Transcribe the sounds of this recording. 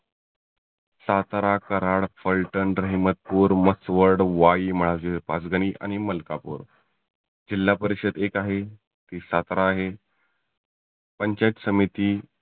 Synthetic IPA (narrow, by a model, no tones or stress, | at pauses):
sat̪ɾakəɾaɭfəlʈənɾəɦimət̪̚puːɾməsʋəɾɽʋaiːməɭ̤ad͡ʑepa̰sɡəɽ̃iːʔa̰ñiməlkapṵːɾ | d͡ʑilːapəɾiɕəd̪ekaɦe | t̪iːsat̪ɾaːɦe | pəɲt͡ɕajt̪səmit̪iː